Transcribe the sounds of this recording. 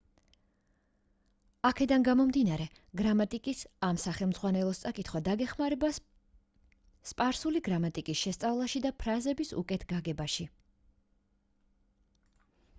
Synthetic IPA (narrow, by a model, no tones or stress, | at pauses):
akʰɛd̪anɡamɔmd̪inaɾɛ | ɡɾamat̪ʼikʼisamsaχɛlˠmd̪zʁwanɛlˠɔst̪sʼakʼit̪ʰχwad̪aɡɛχmaɾɛba | spʼaɾsuliɡɾamat̪ʼikʼisʃɛst̪sʼavlˠaʃid̪apʰɾazɛbisṵkʼɛt̪ʰɡaɡɛbaʃi